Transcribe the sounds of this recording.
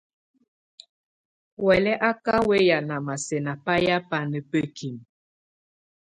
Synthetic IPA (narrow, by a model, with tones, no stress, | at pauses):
wɛ˨lɛ˦ʔa˦ka˦we˦ja˨na˨ma˨sɛ˨na˨pa˦ja˦pa˦nə˨pə˦kʰi˨m